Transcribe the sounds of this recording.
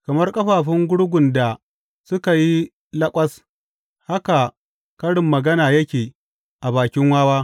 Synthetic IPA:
kɐ˨mɐ˦rkʼɐ˦ɸaː˨ɸɪ˦ŋɡʷʊ˦ɽɡʷʊ˨nda˨ | sʊ˦ka˨ji˦ | lɐ˦kʷʼɐ˦s | ha˦ka˨ | kɐ˦ɽɪ˨mːɐ˨ɡɐ˦naː˨jɐ˦kʲeː˨ | ʔa˨baː˨kʲɪ˦ŋwaː˦waː˦

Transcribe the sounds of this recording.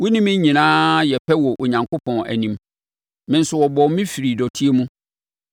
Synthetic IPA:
wʊ˦nĩ˦mɪ̃˦ɲĩ˨nãː˦jɛ˨pʰɛ˦wɔ˨ʔo˨ɲã˨ŋkʰo˦pʰɔ̃˨næ̰˨nĩ˨m | mɪ̃˦n̩˦sʊ˦wɔ˨bɔ˨˦mĩ˦fi˨ɾi˨dɔ˨tʰi˦e˦mũ˦

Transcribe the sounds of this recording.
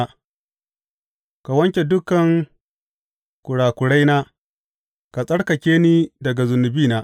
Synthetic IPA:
ka˨wɐ˦ŋkʲe˨dʊ˦kɐ˨ŋ | kʷʊ˨ɽaː˨kʷʊ˨ɽa˦jnaː˦ | ka˨sʼɐ˦ɽkɐ˨kʲeː˦niː˦dɐ˨ɡa˨zʊ˨nːɪ˨biː˦naː˦

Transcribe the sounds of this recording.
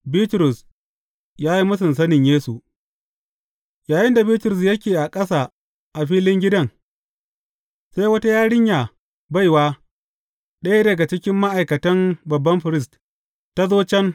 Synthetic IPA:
biː˦tɾʊ˨s | jaː˦ji˦mʊ˦sɪ˨nsɐ˦nɪ˨ɲjeː˦su˨ʔ | jaː˨jɪ˦nda˨biː˦tɾʊ˨s̬jɐ˦kʲeː˨ʔa˨kʼɐ˦sa˨ | ʔa˨ɸiː˦lɪ˦ŋɡʲɪ˦dɐ˦˨ŋ | sa˦jwɐ˦ta˦jaː˦ɽɪ˦ɲjaː˨ | ba˦jwaː˦ | ɗɐ˦ja˦dɐ˨ɡa˨t͡ʃɪ˦kʲɪ˦mːa˦ʔa˨jkɐ˨tɐ˦mbɐ˨bːɐ˦mɸɪ˨ɾɪ˦st | ta˦zoː˦t͡ʃɛ˦n

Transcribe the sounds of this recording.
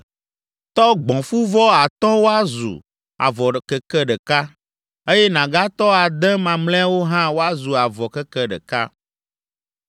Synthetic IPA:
t̪ɔ˦ɡ͡bɔ̃˨fu˦vɔ˦a˨t̪ɔ˦wo˦a˦zṵ˨ | a̰˨vɔ˨kɛ˦kɛ˦ɖɛ˨ka˦ | e˦jɛ˦nã˨ɡa˦t̪ɔ˦a˨d̪ɛ̃˦mã˨ml̃ɛ̃˦wo˦ɦã˦wo˦a˦zu˨a˨vɔ˨kɛ˦kɛ˦ɖə̰˨ka˦

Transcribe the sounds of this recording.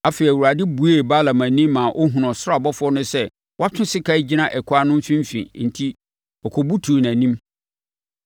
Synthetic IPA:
a˦fe˨i˨wu˨ɾa˨dɪ˦bu˨˦e˦˨ba˦la˨mã˨nĩ˦mːã˨ʔɔ˦ɦũ˨nɔ̃˨sʊ˦a˨bɔ˦fʊ˦ɔ˦nʊ̃˦sɛ˦ | wa˦tʰʊ̃˦sɪ˦kʰa˦i˦d͡ʑi˦nã˦ʔɛ˨kʰʊ˦a˦nʊ̃˦m̩˦fĩ˦m˦fḭ̃˨˦n̩˨tʰi˦ | ɔ˨kʰɔ˨bu˦tʰu˨næ̃˨nĩ˦m

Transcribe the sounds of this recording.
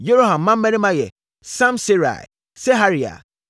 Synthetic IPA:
je˦ɾo˦hã˨mː˨ã˦m̩˦mɛ̃˦nĩ˦mã˦jɛ˨ | sã˦msi˦ɾa̰˨ɪ̰˨ | sɛ˦ɦa˦ɾi˨a̰˨

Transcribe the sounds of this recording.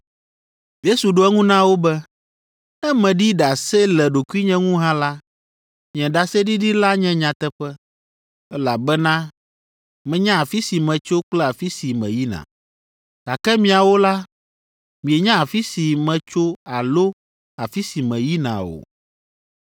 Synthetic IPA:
je˦su˨ɖo˦ɛ˦ŋũ˦nã˦wo˦bɛ˦ | ɛ˦mɛ̃˨ɖi˦ɖa˨sɛ˦lɛ˨ɖo˨ku˦i˦ɲɛ̃˦ŋũ˦ɦã˦la˦ | mĩ˨ɛ̃˨ɖa˨sɛ˦ɖi˦ɖi˦la˦ɲɛ̃˦ɲã˨t̪ɛ˦ɸɛ˦ | ɛ˦la˨bɛ˦nã˦ | mɛ̃˨ɲã˦a˨fi˦si˨mɛ̃˨t͡ʃo˦k͡plɛ˦a˨fi˦si˨mɛ̰̃˨ji˦nã̰˨ | ta˨kɛ˦mĩ˨a˨wo˦la˦ | mĩ˨ɛ˨ɲã˦a˨fi˦si˨mɛ̃˨t͡ʃo˦a˨lo˦ | a˨fi˦si˨mɛ̃˨ji˦nã̰˨o̰˨

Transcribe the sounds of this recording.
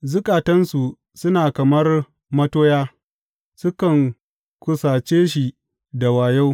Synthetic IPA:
zʊ˦kʼaː˨tɐ˦nsu˨ | sʊ˦naː˨kɐ˨mɐ˦r | mɐ˦toː˦jaː˦ | sʊ˦kɐ˨ŋ | kʷʊ˦saː˨t͡ʃeː˦ʃ̬i˨ | da˨waː˨ja˦w

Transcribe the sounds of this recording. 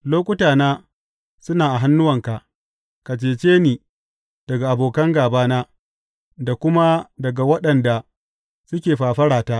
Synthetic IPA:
loː˦kʷʊ˦taː˨naː˦ | sʊ˦naː˨ʔa˨ɦa˦nːʊ˦wɐ˨ŋka˨ʔ | ka˨t͡ʃeː˨t͡ʃeː˦niː˨ | d̥ɐ˨ɡa˨ʔa˨boː˨kɐ˦ŋɡaː˨baː˦naː˦ | da˨kʷʊ˦ma˦dɐ˨ɡa˨wɐ˦ɗɐ˨nda˨ | sʊ˦kʲeː˨ɸaː˨ɸɐ˦ɽaː˨taː˦ʔ

